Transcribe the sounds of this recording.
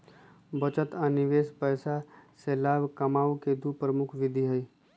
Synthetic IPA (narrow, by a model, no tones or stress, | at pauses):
bət͡ʃət̪ənɪʋeːspɛːsaseːlaːbkɐmaːʋked̪upɾəmʊkʰʋɪd̪ʱiɦəi